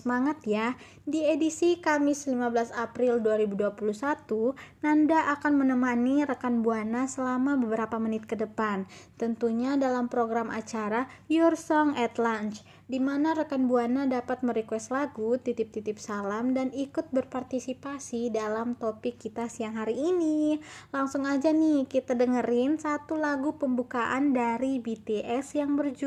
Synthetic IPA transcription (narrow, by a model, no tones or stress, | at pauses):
səmaŋat̪ja | diedisikamɪslimabəlasapɾɪlduaɾibuduapulusat̪unandaʔakanmənəmaniɾəkanbuanasəlamabəbəɾapamənɪt̪̚kədəpant̪ənt̪uɲadalampɾoɡɾamʔa̰t͡ʃaɾajɔrsɔŋɛt̪lant͡ʃ | dimanaɾəkanbuanadapat̪̚məɾikwɛst̪laɡut̪it̪ɪp̚t̪it̪ɪp̚salamdanikʊt̪̚bərpart̪isipasidalamt̪opɪkːit̪asijaŋɦaɾiːnilaŋsʊŋad͡ʒanɪkit̪adəŋəɾɪnsat̪ulaɡupəmbukaʔandaɾibit̪eʔɛsjaŋbərd͡ʒu